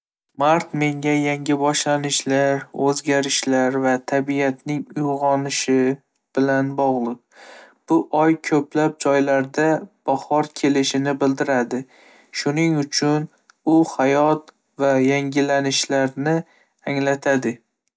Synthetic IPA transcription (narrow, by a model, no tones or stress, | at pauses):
maɾt̪me̞ŋɡʲajaŋʲɪbɒʃlanɪʃlaɾɵzɡʲaɾɪʃlaɾvat̪ʰabijat̪nɪŋʊjʁɒnɪʃɪ | b̥ɪlanbɒʁlˠɨq̚b̥ʊʔɒjkʲʰɵplap̚d͡ʒɒjlaɾd̪ab̥ahɒɾkʲʰe̞lɪʃɪnɪbɪld̪ɪɾad̪ɪ | ʃʊnɪŋʊt͡ʃʰʊn | ʊhajɒt̪ | vajaŋɡʲɪlanɪʃlaɾnɪ | aŋlat̪ʰad̪ɪ